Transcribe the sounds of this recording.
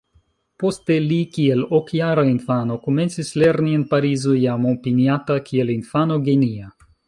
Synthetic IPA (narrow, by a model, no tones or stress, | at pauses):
po̞ste̞likielokjaɾainfano̞kome̞nt͡sisle̞ɾnienpaɾizojamopiniatakʰielinfano̞ɡenia